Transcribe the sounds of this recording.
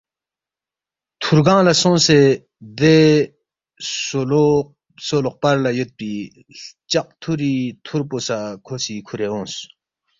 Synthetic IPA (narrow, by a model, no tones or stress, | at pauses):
t̪ʰurɡaŋlasoŋse | d̪e | soloχ̚parlajət̪̚pi | t͡ɕaq̚t̪ʰuɾit̪ʰurposakʰosikʰuɾeoŋs